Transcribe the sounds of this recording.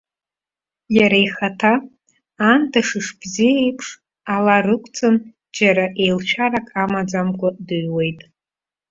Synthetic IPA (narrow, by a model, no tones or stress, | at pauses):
jaɾaiχatʰaː | ntʰaʂɨʂbzijaejpʰʂ | alarɨkʷʼʰt͡sʼɨn | d͡ʒaɾaʔe̞jlt͡ʃʷᶣʰarakʰʼamad͡zamkʷʼʊdɨɥwe̞jtʼ